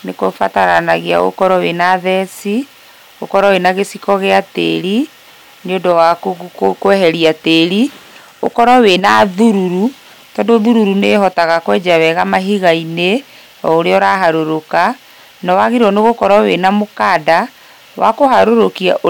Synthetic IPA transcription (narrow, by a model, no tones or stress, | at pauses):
nekofataɾa̰naɣea̰ɣo̰kɔɾɔwenaðɛsi | o̰kɔɾɔwenaɣesikɔɣeatḛɾi | neodɔwakkkwɛɦɛɾiateɾi | o̰kɔɾɔwenaðuɾuɾu | tɔːndoðuɾuɾuneɦɔtaɣakwɛd͡ʒawɛɣamaɦiɣaine | ɔoɾeɔɾaɦaɾoɾoka | nɔwaɣeɾɔneɣokɔɾɔwenamokada | wa̰kohaɾoɾokiaʔ